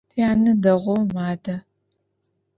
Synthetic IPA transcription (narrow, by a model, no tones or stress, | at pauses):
tʰiaːnɨdɐʁʷɔwmaːdɐ